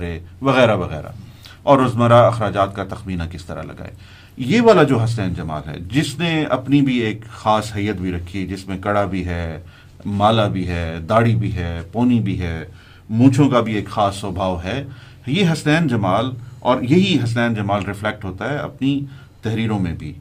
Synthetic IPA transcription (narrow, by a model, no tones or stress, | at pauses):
ɾeʋɐɣɛːɾaʋɐɣɛ̰ːɾa̰ | ɔːɾʊzməɾaɐxɾaːd͡ʒaːt̪̚kat̪ɐxmiːnakɪst̪ɐɾa̰lɐ̰ɡa̰ːḛː | jeʋaːlad͡ʒoːɦɐs̬t̪ɛːnd͡ʒɐma̰ːlɦɛ̰ːd͡ʒɪsneɐ̰pnibʱieːkxaːsɦɐjːət̪bʱiɾɐkʰid͡ʒɪsmẽkɐɽabʱiɦɛː | maːlabʱiɦɛːd̪aːɽibʱiɦɛːpoːnibʱiɦɛː | mũːt͡ʃʰõkabʱieːkxaːsːɔːbʱaːʋɦɛː | jeɦɐst̪ɛːnd͡ʒɐmaːlɔːɾjɐɦiɦɐs̬t̪ɛːnd͡ʒɐmaːlɾɪflɛk̚ʈɦoːt̪aɦɛɐ̰pni | t̪ɛɦɾiːɾõmẽbʱiː